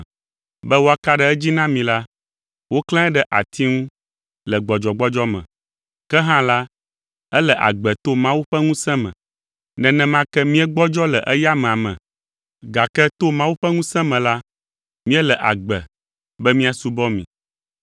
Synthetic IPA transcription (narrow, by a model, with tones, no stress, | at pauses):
bɛ˦wo˦a˦ka˦ɖɛ˨ɛ˦d͡ʑi˦nã˦mĩ˨la˦ | wo˦klɛ̃˦ɛ˦ɖɛ˦ʔa˨t̪ʰi˦ŋũ˦ | lɛ˨ɡ͡bɔ˨d͡ʒɔ˨ɡ͡bɔ˦d͡ʒɔ˦mɛ̰̃˨ | kɛ˦ɦã˦la˦ | ɛ˦lɛ˨ʔa̰˨ɡ͡bɛ˨t̪o˦mã˦wu˦ɸɛ˦ŋũ˦sɛ̃˦mɛ̰̃˨ | nɛ̃˨nɛ̃˨mã˦kɛ˦mĩ˦ɛ˦ɡ͡bɔ˦d͡ʒɔ˦lɛ˨ʔɛ˦ja˦mɛ̃˨a˨mɛ̰̃˨ | ɡa˨kɛ˦t̪o˦mã˦wu˦ɸɛ˦ŋũ˦sɛ̃˦mɛ̃˨la˦ | mĩ˦ɛ˦lɛ˨ʔa̰˨ɡ͡bɛ˨ | bɛ˦mĩ˦a˨su˦bɔ˦mḭ̃˨